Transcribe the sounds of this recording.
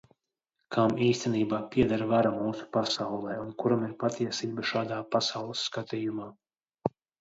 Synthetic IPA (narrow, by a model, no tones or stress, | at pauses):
kʰaːmiːst̪ɛniːbaːpʲiɛd̪aɾvaɾamuːsu̥pasawlˠɛːunkuɾamiɾpat̪iɛsiːbɐʃaːd̪aːpasawlˠəsːkat̪iːjumaː